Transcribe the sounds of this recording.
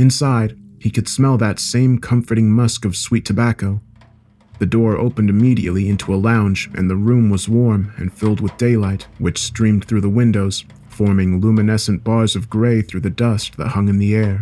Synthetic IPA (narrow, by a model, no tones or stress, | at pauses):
ɨ̃nsaɪd̚ikʰɨd̥smɛlˠðɨtsẽɪ̃mkʰʌ̃ɱfə˞ɾɪ̃ŋmʌskʌv̥switʰɨbækoʊ | ðɨdɔɹo̰ʊpɨ̃ndɨmiɾiɨ̰ʔˡliɪ̃ntʰuəlãʊ̃nd͡ʒʔɨ̰̃nðəɹũmwʌzwɔɹmɨ̰̃nfɪlˠd̚wəðdeɪlaɪt̚wɨt͡ʃstɹ̥ĩmθɹʉðəwɪ̃ndoʊz̥ | fɔɹmɪ̃ŋlumɨnɛsɨ̃n̩b̥ɑɹzʌvɡɹeɪθɹʉðɨdʌst̚ðə̰t̚hʌ̃ŋɨ̃nðiɛɹ